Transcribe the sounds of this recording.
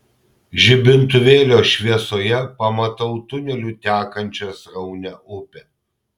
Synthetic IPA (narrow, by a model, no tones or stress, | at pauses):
ʒʲɪbʲɪnt̪ʊʋʲeːlʲoːʃʲʋʲiɛsoːjɛpɐmɐt̪ɐʊt̪ʊnʲɛlʲut̪ʲæːkɐnʲt͡ʃʲɛsɾɐʊnʲɛʔʊpʲɛ